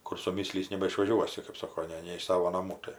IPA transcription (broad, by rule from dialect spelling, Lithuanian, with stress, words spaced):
kʊr sʊˈmʲiːsʲlʲiːs nʲɛbɐɪʃʋɐˈʒʲuɔsʲɪ kɜp ˈsoːkoː ˈnʲɛ nʲɛ ɪʃ ˈsɑːʋoː nɐˈmuː ˈtɐɪ